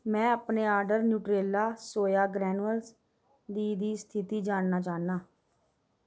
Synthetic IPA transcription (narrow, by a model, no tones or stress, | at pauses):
mɛ̃ːəpneːaːɾɖəɾnjuːʈɾeːlaːsoːjaːɡɾɛːnəls | d̪iːd̪iːst̪ʰɪt̪iːd͡ʒaːnnaːt͡ʃaːnaː